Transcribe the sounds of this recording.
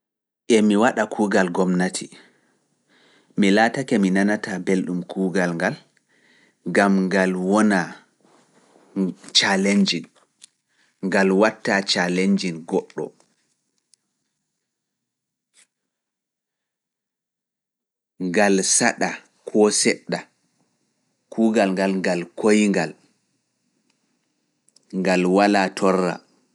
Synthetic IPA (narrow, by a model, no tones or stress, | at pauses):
ʔɛmiwaɗakʰuːɡalɡɔmnatʰi | milaːtakɛminanatabelɗumkʰuːɡalŋɡal | ɡamŋɡalwɔna | t͡ʃaleɲd͡ʒin | ŋɡalwatːat͡ʃaleɲd͡ʒinɡɔɗːɔ̰ | ŋɡalsaɗa | kʰɔsɛɗːa | kʰuːɡalŋɡalŋɡalkojŋɡal | ŋɡalwalaːtʰɔrːa̰